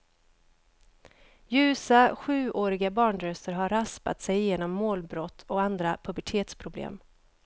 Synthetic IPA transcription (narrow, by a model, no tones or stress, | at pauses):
jʉ̟ːsaɧʉ̟ːʔoːɾɪɡabɑːɳɾœst̪əɾɦaɾaspa̰t̪sɛjːeːnɔmːoːlbɾɔt̪ʰːɔkand̪ɾapʰɵbɛʈʰeːt̪spʰɾʊblḛːm